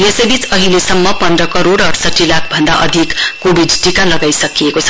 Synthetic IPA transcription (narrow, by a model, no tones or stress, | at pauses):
jesʌjbit͡sʌɦilesʌmːʌpʌnd̪rʌkʌɾoɽʌɾsʌʈːilakʰbʱʌnd̪aʔʌd̪ʱikːobʱiɖʈikalʌɡajsʌkijekot͡sʰʌ̥